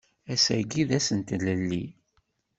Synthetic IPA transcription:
æsæɡiðæsənt̪ləlːi

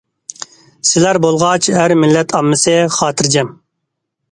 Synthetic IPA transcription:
sɪlæɾbolˠʁɑt͡ʃhæɾmɪlːɛt̪ʰɑmːɨsɨχɑːt̪ʰɨɾd͡ʒɛm

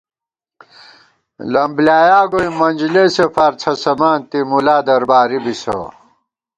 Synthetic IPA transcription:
lɐmblaːjaːɡoimːɐnʲd͡ʑlesefɐɾt͡sʰɐsɐmaːnt̪imulaːd̪ɐɾbaːɾibiso̰

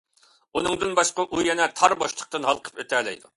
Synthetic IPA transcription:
unɨŋd̪ɨnbɑʃqəʔujɛnɛt̪ʰɑɾboʃlˠə̥q̚t̪ɨnɦɑlˠqʰə̥pøt̪ʰɛlɛ̰jd̪u

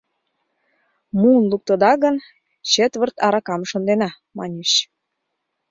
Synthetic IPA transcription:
muənluk̚t̪əd̪ɑɣə̆n | t͡ɕet̪βə̆rt̪ɑɾɑkɑmʃə̆nd̪enɑ | mɑ̰nʲeɕ

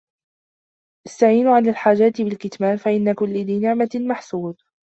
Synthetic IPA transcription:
ʔɪst̪aʕiːnʊʕanalħaːd͡ʒaːt̪ɪbɪlkɪt̪maːnfaʔɪnːakʊlːɪlɪnɪʕmamaħsuːd̪̚

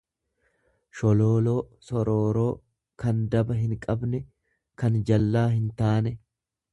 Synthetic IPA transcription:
ʃɔlo̞ːlo̞ː | sɔɾo̞ːɾo̞ː | kɐnd̪ɐbɐɦɪŋkʼɐbnɛ | kɐnd͡ʒɐlːaːɦɪnt̪aːnɛ

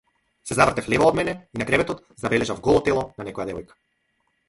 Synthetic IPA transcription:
sɛzavr̩t̪ɛflɛvaɔd̪mɛnɛinakɾɛvɛt̪ɔt̪ | zabɛlɛʒavɡɔlˠɔt̪ɛlˠɔnanɛkɔjad̪ɛvɔjkḁ

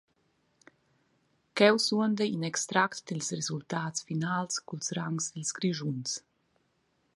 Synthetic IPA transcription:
kɛwsuənd̪əinɛkst̪ɾakt̪d̪ilsrezult̪aːtsfinaːlskulsɾaŋsd̪ilskɾiʒuns

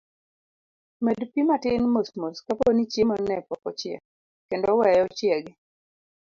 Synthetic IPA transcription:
mɛdpimatɪnmosmoskaponit͡ʃemɔnɛpɔpɔt͡ʃɪɛ̰ | kendɔwɛjɔt͡ʃjɛɡɪ

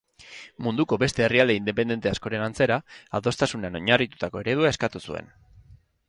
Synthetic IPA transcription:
mund̪uko̞be̞st̪e̞ːriald̪e̞ind̪e̞p̬e̞nd̪e̞nt̪e̞asko̞ɾe̞nant͡se̞ɾaaðo̞st̪asuneano̞ɲarit̪u̥t̪ako̞e̞ɾeð̞uaeskat̪usue̞̰n

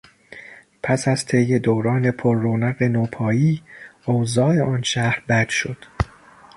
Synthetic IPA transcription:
pʰæsæz̥t̪ʰe̞jːe̞d̪oːwɾɒːne̞pʰoɾːoːnæɣe̞noːpʰɒːjiːoːzɒːe̞ʔɒːnʃæhɾbæd̪̥ʃo̞d̪̥

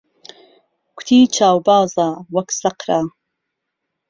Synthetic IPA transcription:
kʷʊ̥t̪ʰiːt͡ʃʰaːwbaːzawɐksɐqɾaː

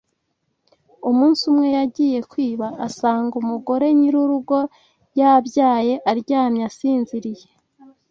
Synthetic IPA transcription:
umuːnsumŋe̞jaɟiːje̞kwiːβaʔːsaːŋɡumuɡo̞ɾe̞ɲiɾuɾuɡo̞ | jabjaːje̞ʔaɾɟaːmɲasiːnziɾije̞

